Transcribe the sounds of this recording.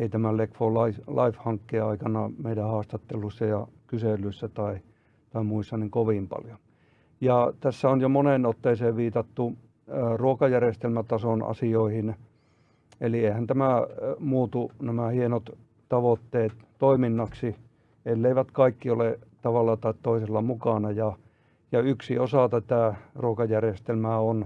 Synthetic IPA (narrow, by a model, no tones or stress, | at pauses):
eit̪æmælekfolɑilɑifhɑŋkːeːɑikɑnɑmeidæhɑːst̪ɑt̪ːelːˑusːɑjɑkyselˑyisːæt̪ɑi | t̪ɑimuisːɑniŋkoʋimpɑ̰ljo | jɑt̪æsːæonjomonenot̪ːeiseːʋʋiːt̪ɑt̪ːu | ruokɑjærest̪elmæt̪ɑsonɑ̰sioihin | elieihænt̪æmæmuːt̪unæmæhienot̪ | t̪ɑʋot̪ːeːt̪toiminːɑksi | elːeiʋæt̪kɑikːiolet̪ɑʋɑlːɑt̪ɑit̪t̪oiselːɑmukɑˑnɑjɑ | jɑyksiosɑt̪æt̪æˑruokɑjærest̪elmæon